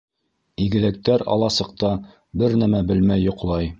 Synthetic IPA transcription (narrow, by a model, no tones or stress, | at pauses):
iɡɘ̆læk̚t̪æɾɑ̰lˠɑsɤ̆q̚t̪ɑ | bɘɾnæmæbɘlmæjːŏqlˠɑj